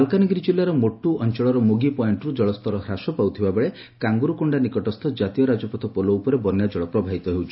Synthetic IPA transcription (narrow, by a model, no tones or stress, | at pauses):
lkanɔɡɾid͡ʒilːaɾɔmoʈuʔɔnt͡ʃɔɭɔɾɔmuɡipɔiɳʈɔɾud͡ʒɔɭɔst̪ʰɔɾɔhɾasɔpawt̪ʰibabeɭe | kaŋɡuɾukuɳɖanikɔʈɔst̪ʰɔd͡ʒat̪ijɔɾad͡ʒɔpɔt̪ʰɔpɔlɔupɔɾebɔnjad͡ʒɔɭɔpɾɔbʱaɦit̪ɔɦewt͡ʃʰi